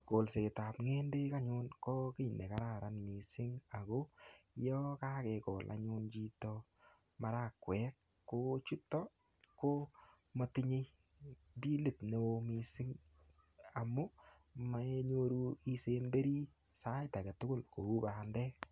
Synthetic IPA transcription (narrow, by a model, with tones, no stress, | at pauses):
ko˨lse˨ɪ˨ta˨pŋe˦nde˦ka˦ɲʊ˦nkɔ˦kɪ˦˨ne˨ka˦ɾa˦˨ɾa˨˦nmi˨sɪ˦ŋa˨ɡo˦jɔ˦ka˦kɛ˨kɔ˨lʔa̰˨ɲʊ˦nd͡ʒi˦tɔ˧ | ma˦ɾa˦˨kːwɛ˦kː | o˦t͡ʃu˦tːɔ˦ | ko˦ | mo˨tɪ˦ɲe˦ | bi˦le˨tne˨o˧mi˨sɪ˦ŋ | a˨mʊ˦ | mae˦ɲo˦ɾu˦i˦se˦nbe˦ɾi˦ | sa˦ta˨ke˨tʊ˦kʊ˦lko˨u˦ba˨ndɛ˦